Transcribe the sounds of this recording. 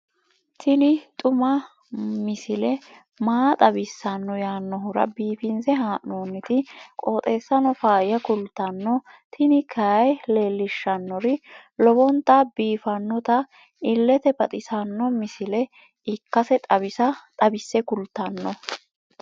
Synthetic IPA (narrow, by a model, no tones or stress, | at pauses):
t̪ʰɪnɪt̪ʼʊmɐ | mɪsɪlɛ | maːt̪ʼɐbɪsːɐnːɔjaːnːɔɦʊɾɐ̰biːfɪnzɛɦaːʔnoːnːɪt̪ɪkʼo̞ːt̪ʼe̞ːsːɐnɔfaːjɐkʊlt̪ːɐnːɔt̪ʰɪnɪkʰɐɐjle̞ːlːɪʃːɐnːɔɾɪlɔbɔnt̪ːɐbiːfɐnːɔt̪ɐ | ɪlːɛt̪ɛbɐt̪ʼɪsɐnːɔmɪsɪlɛ | ɪkːɐsɛt̪ʼɐβɪsɐt̪ʼɐbɪsːɛkʊlt̪ːɐnːɔ